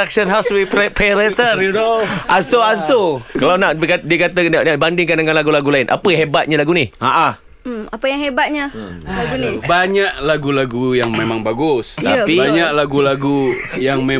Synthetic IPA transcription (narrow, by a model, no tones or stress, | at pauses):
aksənɦaswippɛlɛt̪ərjudoʔasoasokalawnaʔkadiəkat̪ənaʔnabandɪŋkandəŋãnlaɡulaɡulaɪnʔa̰pəɦebat̪̚ɲalaɡuniaʔa | apəjaŋɦebat̪̚ɲalaɡunibaɲaʔlaɡulaɡujaŋmemaŋbaɡʊst̪pibaɲak̚laɡulaɡujaŋme